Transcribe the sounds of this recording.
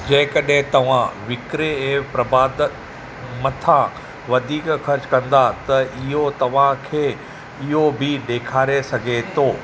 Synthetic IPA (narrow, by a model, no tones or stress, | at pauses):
d͡ʑɐ̃ɦɪ̃kɐɗɦẽt̪ɐʋ̤ãʋɪkɾeeːpɾɐbaːd̪ | mɐt̪ʰã | ʋɐd̪ʱiːkxɐɾt͡ɕkɐ̃nd̪at̪ɐʔɪɦot̪ɐʋ̤ãkʰeː | ɪɦobʱɪɗeːkʰaːɾesɐɡʱet̪ʰoː